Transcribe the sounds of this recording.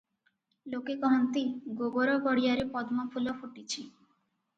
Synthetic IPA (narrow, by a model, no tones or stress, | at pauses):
lokekɔɦɔnt̪iɡoɡoɾɔɡɔɽijaɾepɔd̪mɔpʰulɔpʰoʈit͡ɕʰi